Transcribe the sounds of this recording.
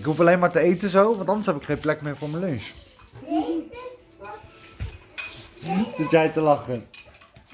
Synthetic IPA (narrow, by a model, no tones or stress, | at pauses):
ɪkɦup̬ɑlejnmaːɹtəejtəzowʋɑ̃ntɑndəsɦɛpɪkχẽjnplɛkmɪːɹvʊːɹməlɵns | zɪtjɛjtəlɑχən